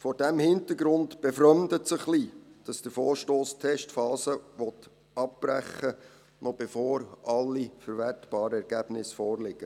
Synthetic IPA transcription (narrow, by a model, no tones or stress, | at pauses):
fɔɾd̥æmhɪntəɾɡɾʊntb̥ɛfɾœmdətsəχlid̥ɑsd̥əɾfɔːɾʃtoːstʰɛʃtfɑːsəʋɔt | ɑp̚b̥ɾæχːə | nɔb̥ɛfɔːɾʔɑlːifəɾʋɛtb̥ɑːɾəɛɾɡ̥æb̥nɪsfɔːrlɪɡə